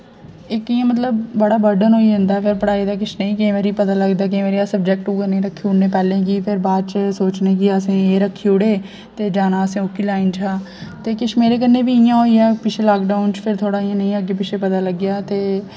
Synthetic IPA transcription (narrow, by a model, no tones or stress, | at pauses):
ɪkijãːmət̪ləbbəɽaːbəɾɖənɦoːiɦə̃nd̪aːpʰɪɾpəɽaːid̪aːk̬ɪt͡ʃʰnəĩːkẽːʋeɾipət̪aːləɡd̪aːk̬eːʋeːɾiasəb̚d͡ʒɛːk̚ʈuːkəɾnĩːɾəkʰːiʊɽneːpɛːlẽːk̬iːpʰɪɾbaːd̪̚t͡ʃəsoːt͡ʃnẽːkiːəsẽːeːɾəkʰːiʊɽeː | t̪eːd͡ʒaːnãːəsẽːʊkiːlaːɪnt͡ʃʰaː | t̪eːkɪʃʰmeːɾeːkənːẽːbiːɪjãːɦoːiɛːpɪt͡ʃʰeːlaːkɖaːʊnt͡ʃpʰɪɾt̪ʰoːɽaːijãnəĩəɡeːp̬ɪt͡ʃʰeːpət̪aːləɡːjaːt̪eː